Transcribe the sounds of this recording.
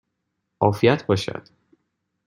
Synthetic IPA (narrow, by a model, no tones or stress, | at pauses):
ʔɒːfijæt̪ʰbɒːʃæ̰d̪̥